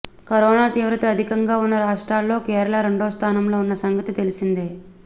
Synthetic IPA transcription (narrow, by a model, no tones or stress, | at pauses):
kɐɾɔːnaːt̪iːʋɾɐt̪ɐɐd̪ʱikɐŋɡaːunːɐɾaːʂʈɾaːlːo̞ːkɛːɾɐɭɐɾe̞ɳɖoːst̪ʰaːnɐmlo̞ːunːɐsɐŋɡɐt̪it̪e̞lisind̪e